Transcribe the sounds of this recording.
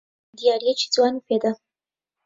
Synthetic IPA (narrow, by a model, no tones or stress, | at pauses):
d̪ijɑɾijet͡ʃi̥d͡zwɑniped̪a